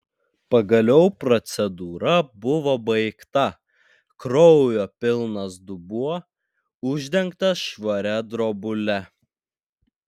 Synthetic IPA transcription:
pɐɡɐlʲɛʊpɾɔt̪sʲɛd̪uːɾɐbʊʋobɐɪkt̪ɐ | kɾɔʊjoːpʲɪlˠnɐsd̪ʊbuɔ | ʊʒʲd̪ʲɛŋkt̪ɐʃʋɐɾʲɛd̪ɾobʊlʲɛ

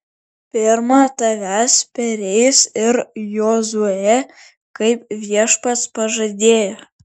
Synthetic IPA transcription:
pʲɪɾmɑt̪ɐʋʲæspʲɛɾʲɛɪsɪɾjoːzuɔjɛ | kɐɪpʋʲiɛʃpɐt̪spɐʒɐd̪ʲeːjo

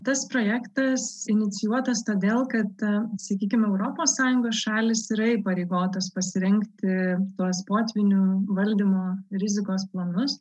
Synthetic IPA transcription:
t̪ɐspɾoːjæːkt̪ɐsɪnʲɪt̪sʲɪjuɔt̪ɐst̪oːd̪ʲeːlˠkɐt̪sɐkʲiːkʲɪmɛʊɾoːpoːssɑːjʊŋɡoːsʃɑːlʲɪsɪɾɐɪpɐɾʲeɪɡoːt̪ɐspɐsʲɪɾʲɛŋkt̪ʲɪt̪uɔspoːt̪ʲʋʲɪnʲuʋɐlʲd̪ʲimoːɾʲɪzʲɪkoːsplˠɐnʊs

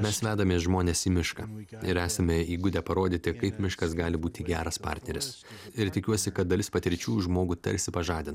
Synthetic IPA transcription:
mʲɛsʋʲæːd̪ɐmʲeːsʒmoːnʲeːsiːmʲɪʃkɑːɪɾæːsɐmʲɛiːɡʊd̪ʲɛpɐɾoːd̪ʲiːt̪ʲɪkɐɪpmʲɪʃkɐsɡɑːlʲɪbuːt̪ʲɪɡʲæːɾɐspɑ̰ːt̪ʲnʲɛɾʲɪs | ɪɾt̪ʲɪkʲuɔsʲɪkɐt̪̚d̪ɐlʲɪspɐt̪ʲɪɾʲt͡ʃʲuːʒmoːɡuːt̪ɐ̰ɾʲsʲɪpɐʒɑːd̪ʲɪn

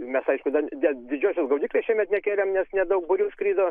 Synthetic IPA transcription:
mʲɛsɐɪʃkʊd̪ɐd̪ʲɛd̪ʲɪd͡ʒʲuːsʲosɡɐʊd̪ʲiːklʲesʃʲiɛmʲɛt̪nʲɛkʲeːlʲɛmnʲɛsnʲɛd̪ɐʊk̚bʊɾʲuːskɾʲiːd̪oː

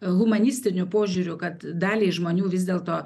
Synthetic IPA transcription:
ɣʊmɐnʲɪsʲt̪ʲɪnʲʊpoːʒʲʊːɾʲʊkɐt̪d̪ɑːlʲeːʒmoːnʲuːʋʲɪzd̪ʲeːlˠt̪oː

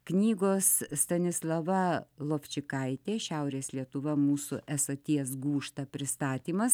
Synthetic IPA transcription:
knʲiːɡoːsst̪ɐnʲɪslˠɐʋɐlˠoːfʲt͡ʃʲɪkɐɪt̪ʲeːʃʲɛʊɾʲeːslʲiɛt̪ʊʋɐmuːsʊʔɛsɐt̪ʲiɛsɡuːʃt̪ɐpʲɾʲɪst̪ɑːt̪ʲiːmɐs

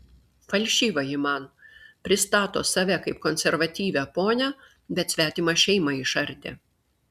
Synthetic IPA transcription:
fɐlʲʃʲiːʋɐjɪmɑnpʲɾʲɪst̪ɑːt̪o̰ːsɐʋʲɛkɐɪp̚kɔnʲsʲɛɾʋɐt̪ʲiːʋʲɛpoːnʲɛ | bʲɛt̪sʲʋʲæːt̪ʲiːmɑʃʲɛɪmɑɪʃɐɾʲt̪ʲḛː

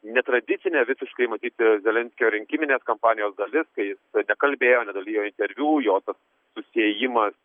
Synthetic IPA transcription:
nʲɛt̪ɾɐd̪ʲɪt̪sʲɪnʲeːʋʲɪsʲɪʃkɐɪmɐt̪ʲiːt̪ʲzʲɛlʲɛnʲsʲkʲjoːɾʲɪŋʲkʲɪmʲɪnʲeːskɐmpɑːnʲɪjoːsd̪ɐlʲɪskɐɪjɪsnʲɛkɐlʲbʲeːjoːnʲɛd̪ɐlʲijoːɪnʲt̪ʲɛɾʲʋʲjuːjoːt̪ɐsː | ʊsʲɪeːjɪmɐs

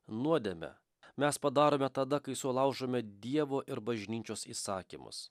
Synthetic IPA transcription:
nuɔd̪ʲemʲɛ̰ | mʲɛspɐd̪ɑːɾoːmʲɛt̪ɐd̪ɐkɐɪsʊlˠɐʊʒomʲɛd̪ʲiɛʋoːʔɪɾbɐʒʲnʲiːt͡ʃʲoːsiːsɑːkʲḭmʊ̰s

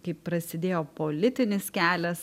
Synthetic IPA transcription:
kɐɪppɾɐsʲɪd̪ʲeːjoːpoːlʲɪt̪ʲɪnʲɪskʲæːlʲɛs

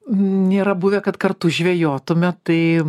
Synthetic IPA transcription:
nʲeːɾɐbʊʋʲɛkɐt̪kɐrt̪ʊʒʲʋʲejoːt̪ʊmʲɛt̪ɐɪ

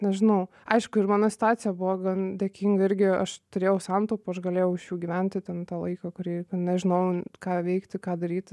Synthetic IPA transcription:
nʲɛʒʲɪnɐʊ | ɐɪʃkʊɪrmɑːnosʲɪ̥t̪ʊɑːt̪sʲɪjɛbʊʋɐɡɐnd̪ʲeːkʲiŋɡɐɪɾʲɡʲɪɐʃt̪ʊɾʲeːjɛʊsɑnt̪oːpʊɐʃɡɐlʲeːjɛʊɪʃjuːɡʲiːʋʲɛnʲt̪ʲɪt̪ʲɛnt̪ɑːlˠɐ̰ɪkɐkʊɾʲiːkɐt̪nʲɛʒʲɪnɐʊkɑːʋʲɛɪkt̪ʲɪkɑːd̪ɐɾʲiːt̪ʲ

